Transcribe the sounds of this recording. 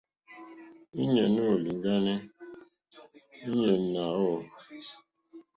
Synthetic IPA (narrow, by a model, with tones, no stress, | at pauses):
i˦ɲe˨no˦˨li˨ŋ˦ɡa˦ne˦ | i˦ɲe˨n̩˦na˨o˦˨